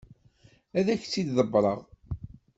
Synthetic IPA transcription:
æðæçt͡sːid̪ðəbːɾˤə̰ʁ

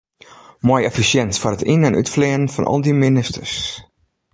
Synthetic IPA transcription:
mɔjɛfisjɛnsfɔrətinɛnʔy̰tflɪən̩fɔ̰nʔɔ̰lˠdiminɪstərs

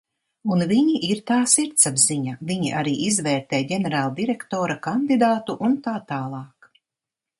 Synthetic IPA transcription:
unviɲiʔiɾt̪aːsiɾt̪sabziɲaviɲiʔaɾiːʔizvɛːɾt̪ɛːjɟɛnɛɾaːlˠd̪iɾɛkt̪oːɾakand̪id̪aːt̪uʔunt̪aːt̪aːlˠɑːk

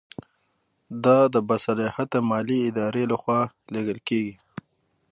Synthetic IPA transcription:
d̪ɑd̪əbasalehat̪əmɑliɪd̪ɑɾelaxwɑ | leɡəlkeɡi

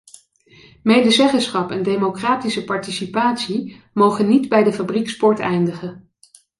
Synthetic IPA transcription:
mejdəzɛχəsχɑpɛndejmokraːtisəpɑɹtisipaːtsi | mowχənːidbɛjdəfabrikspɔɹtɛjndəχə

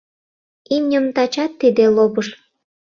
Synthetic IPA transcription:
imnʲəmt̪ɑt͡ɕɑt̪ːid̪elobəʃ

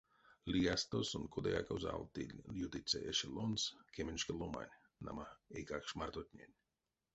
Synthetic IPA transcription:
lʲiɡast̪osunkʰod̪eja̰kawza̰lˠt̪ḭlʲjut̪it̪sʲeʔeʃelˠonskʰʲeminʲʃkelˠoma̰nʲ | na̰maekakʃmart̪ot̪ʲnʲenʲ

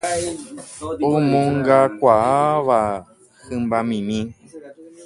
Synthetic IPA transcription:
õmõŋɡakʷaaʋa | hɨ̃mbamĩmĩ

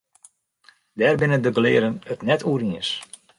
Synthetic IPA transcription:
dɛːrbɪnəndəɡəlɪːɾənətnɛtʰuːəɾiəs

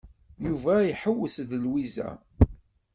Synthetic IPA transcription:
juvæjħəwːəsðlwizæ̰

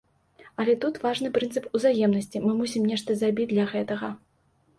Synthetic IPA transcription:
ɐlʲɛt̪ut̪vaʐn̪ɨpɾɨnt̪sɨpuzajɛmnɐsʲt͡sʲimɨmusʲimnʲɛʂt̪ɐzɾabʲid͡zʲd̪lʲɐɣɛt̪ɐɣɐ

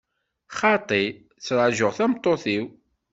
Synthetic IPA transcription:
χɑt̪ˤi | t͡sːɾˤəʕʒʊʁθæmt̪ˤːoθiw

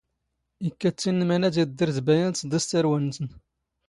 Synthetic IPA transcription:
ikːæt͡sːinːmænæd̪id̪ːiɾθbæjænt̪d̪əst̪əɾwænsən

